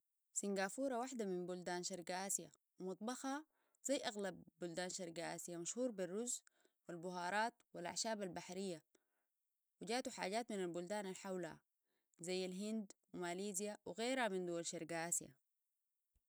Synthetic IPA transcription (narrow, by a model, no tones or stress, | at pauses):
siŋɡaːfuːɾˤawaħd̪amimbuld̪aːnʃɑɾɡaʔaːsija̰ | wmɑt̪ˤbɑxa | z̥ajːʔaɣlabːuld̪aːnʃɑɾˤɡaʔa̰ːsjamaʃhuːɾbirːuz | wilbʊɦɑːɾˤɑːt̪wilʔa̰ʕʃaːbalbaħɾijːa | wiɟaːt̪uħa̰ːɟaːt̪minalbuld̪aːnalħawlha̰ | zajːalɦind̪wimaːliːzijawiɣeːɾhamind̪uwalʃɑɾɡaʔaːsija̰